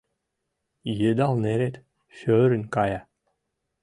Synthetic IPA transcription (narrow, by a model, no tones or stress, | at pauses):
jɘd̪ɑlˠneɾet̪ | ʃøɾɘ̆nʲkɑjɑ